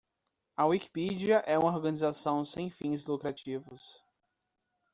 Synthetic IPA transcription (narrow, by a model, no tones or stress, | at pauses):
ɐwiki̥pid͡ʒiɐʔɛũmɐoɾɡɐ̃nizasɐ̃w̃sẽj̃fĩzlukɾat͡ʃivʊs